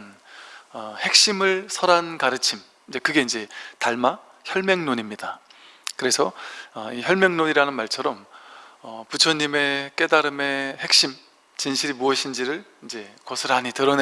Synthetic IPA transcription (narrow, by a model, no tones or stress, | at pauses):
nʌhe̞k̚ɕ͈imɯɭsʰʌɾankaɾɯt͡ɕʰim | id͡ʑe̞kɯɡe̞ind͡ʑe̞taɭma | çjʌɭmeŋnoɲimɲida | kɯɾe̞sʰʌʌiçjʌɭmjʌŋnoɲiɾanɯnmaɭt͡ɕʰʌɾʌmʌput͡ɕʰʌɲːime̞k͈e̞daɾɯme̞he̞k̚ɕ͈im | t͡ɕinɕʰiɾimuʌɕʰind͡ʑiɾɯɭind͡ʑe̞kʌsʰɯɾaɲitɯɾʌne